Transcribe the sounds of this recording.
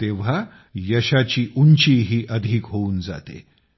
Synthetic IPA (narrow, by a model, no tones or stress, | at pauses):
t̪eʋ̤a | jəɕat͡ɕiːʔuɲt͡ɕiːɦiːʔəd̪ʱiːkɦouːnd͡za̰t̪ḛ